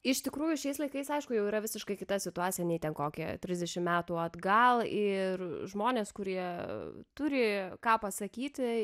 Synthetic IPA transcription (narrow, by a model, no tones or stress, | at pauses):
ɪʃt̪ʲɪkɾuːjʊʃʲɛɪslˠɐɪkɐɪsɐɪʃkʊjɛʊiːɾɐʋʲɪsʲɪʃkɐɪkʲɪt̪ɐsʲɪt̪ʊɑːt̪t͡sʲsʲɪjɛnʲɛɪt̪ʲɛnkoːkʲɛt̪ʲɾʲɪzʲd̪ʲɛʃʲɪmmʲæːt̪uɐd̪ɡɐlˠɪrʒmoːnʲeːskʊɾʲiɛt̪ʊɾʲɪkɑːpɐsɐkʲiːt̪ʲɪ